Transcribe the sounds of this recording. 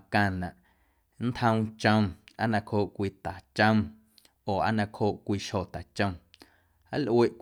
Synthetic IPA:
kã˧˨nã˨ʔ | n̩˦t̪hə̃˧w̃t͡ʃə̃˧ma˦nã˧khoː˧˨ʔkʷiː˧t̪a˨t͡ʃə̃˦˧ | oː˨ʔa̰˦nã˧kʰhoː˧˨ʔkʷiː˧ʃho˨t̪a˨t͡ʃə̃˧m | a˦lʔwe˦˧ʔk

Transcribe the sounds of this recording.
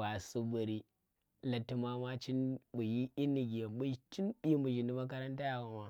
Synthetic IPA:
wa˨su˦bu˨ɾi˦ | la˨tːu˦ma˦ma˦t͡ʃi˦nbu˨ji˦ʔi˦nːi˨ɡʲi˨bu˦t͡ʃi˦nbi˦mbu˨d͡ʒi˨ni˦ma˦k̬ɐ˦ɾɐ˦nta˦ja˨wa˨ma˨

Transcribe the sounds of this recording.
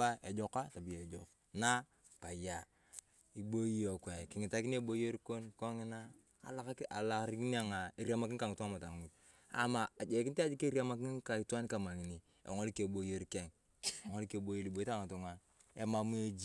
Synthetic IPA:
a˦e˨d͡ʒo˦ka˦ta˨bi˨je˨d͡ʒo˨k | na˦ | pa˨ja˨ | i˨bo˦i˦jo˨kwe˨ki˨ŋi˨ta˦ki˦n˦e˦bo˦je˦ɾi˦ko˦nko˦ŋi˦na̰ː˦˨ | la˦ka˨la˨ɾi˦ki˦ni˦a˨ŋa˨e˨ɾi˦a˨ma˨ki˦nka˨ŋi˨tu˦ŋa˦ma˨ta˨ŋu˨t | a̰˨maː˨d͡ʒe˨ki˦ta˦d͡ʒi˦ke˦ɾi˦a˦ma˦ki˦nka˨i˨ta˦n˦ka˨ma˨ŋi˨ni˨ | ḛ˨ŋo˦lke˨bo˨je˦ɾke˦ŋ˨ | ŋo˦lke˨bo˨˦je˦li˨bo˨˦i˦ta˦˨ŋa˨tu˨ŋa˨ | e˨ma˨mu˦e˨d͡ʒ

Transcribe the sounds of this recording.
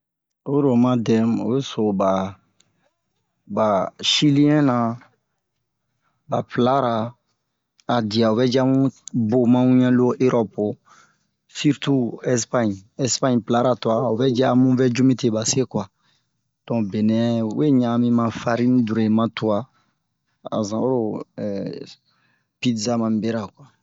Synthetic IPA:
o˦ɾo˨ma˦dɛ˨mṵ˨be˦so˨ba˨ | ba˨ʃi˦li˦ɛ̃˦na˨ | ba˨pla˦ɾa˨ | a˨di˨a˨u˨bɛ˦d͡ʒɛ˦a˦mũ˦bo˨mã˦wũ˦ɲɛ̃˦lo˦ʔe˦ɾʔɔ˦po˨ | fi˦ɾtu˦ɛ˦spã˦ɲɛ˦spa˦ɲpla˦ɾa˨tu˨a˨u˨bɛ˦d͡ʒɛ˦a˦mũ˦vɛ˦d͡ʒu˦mĩ˦te˨ba˨se˦kwa˨ | d̥ɔ̃˨bɛ˨nɛ̃˨ṵ˦je˦ɲã˨mĩ˦mã˨fa˦ɾi˦nĩ˦du˨ɾe˨mã˦tu˨wa˦ | a̰˨zã˨o˦ɾo˦ | pi˦dza˦mã˨m˦bɛ˦ɾa˨kwa˨

